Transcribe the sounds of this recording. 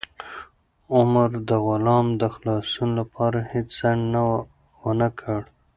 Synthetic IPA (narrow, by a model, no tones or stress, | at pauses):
ʊmɾd̪əɣʊlɑmd̪əxlɑsunlapʰɑɾahet͡ʃz̥aɳna | wənakʰəɽ